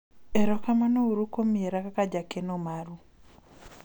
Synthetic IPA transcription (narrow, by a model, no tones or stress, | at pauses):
ɛɾɔkamanouɾukomɪeɾakakad͡ʒakenomaɾu